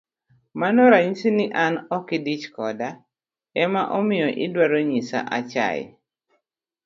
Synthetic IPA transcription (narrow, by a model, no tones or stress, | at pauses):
manɔɾaɲisinɪʔanɔkɪdit͡ʃkɔda | ɛmaʔɔmɪjɔʔɪdwaɾoɲisa̰ʔa̰t͡ʃa̰j̰